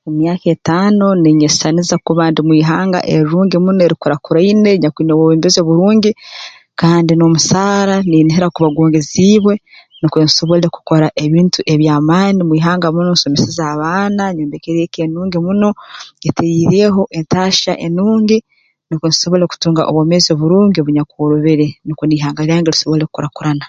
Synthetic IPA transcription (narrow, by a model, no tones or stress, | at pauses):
emjaːketaːno̞neɲessanizakuβaːndimwiːɦaːŋɡa̰ʔeɾɾuːŋɡemunoeɾikoɾakuɾaine̞ɲakiːnewoβiːmbezoːβuɾuːɲɟi | kaːndinomusaːɾaniniɦeɾakuβaɡuːŋɡeziːβwe̞ | nikeniso̞βoleeku̥ko̞ɾaʔe̞βiːntuʔe̞βjaːmaːnimwiːɦaːŋɡamunonsomesizaːβaːnaɲoːndekeɾekenuːŋɡimuno̞etʰejiɾeɦo̞ʔe̞ntaːʃaʔenuːŋɡi | nikeniso̞βo̞leeku̥tuːŋɡaʔo̰βwoːmezio̞βuɾuːŋɡo̞βuɲakuɾuβeɾenikoniːɦaːŋɡaliɾaːŋɡeɾiso̞βleɾeku̥koɾakuɾana